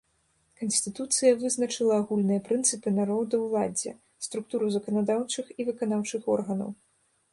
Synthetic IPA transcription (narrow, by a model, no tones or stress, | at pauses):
kɐnsʲt̪ɨt̪ut̪sɨjɐvɨznɐt͡ʂɨlˠɐːɣulʲnɨjɐpɾɨnt̪sɨpɨnaɾɔd̪ɐwlˠad͡zʲɛ̰ | st̪ɾuk̚t̪uɾuzɐkɐnad̪awt͡ʂɨxivɨkan̪awt͡ʂɨxɔrɣɐnɐ̰w